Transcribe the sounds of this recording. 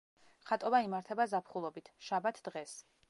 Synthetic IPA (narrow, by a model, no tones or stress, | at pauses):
χat̪ʼɔbaimaɾt̪ʰɛbazapʰχulˠɔbit̪ʰʃabat̪ʰd̪̥ʁɛs